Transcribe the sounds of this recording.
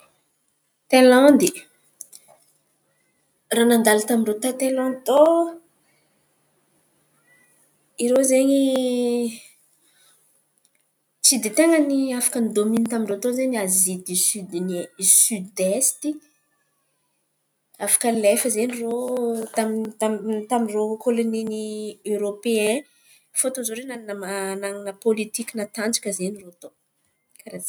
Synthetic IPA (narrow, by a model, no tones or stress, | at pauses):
t̪eland̪i | ranand̪alat̪amiɳɖ͡ʐot̪at̪elãnt̪o | iɾozeɲi | t͡sid̪it̪eŋəniafḁkənid̪omint̪amiɳrot̪ozeɲazid̪isyd̪insyd̪est̪i | afḁkəlefəzenirot̪amit̪amt̪amirokoloniniøɾopeɛ̃ | fot̪ozoɾenanamanaŋinəpolit̪ikʲinat̪and͡ʒḁkʲəzenirot̪o | kaɾa